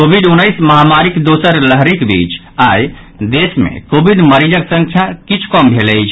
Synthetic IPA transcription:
kobʱiɖunːəjsməɦamaɾikd̪osəɾləɦɾikbḭt͡ʃ | aj | d̪esmḛkobʱiɖməɾid͡ʒəksəŋkʰjakit͡ʃʰkɔmbʱeləjt͡ʃʰ

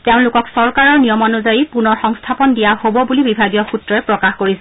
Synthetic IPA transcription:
teʊ̃nlʊkɔksɔɹkaɹɔɹnijɔmɔnuzajipunɔɹxɔŋstʰapɔndijahobɔbulibibʱaɡijɔxutɹɔɛpɹɔkaxkoɹisɛ

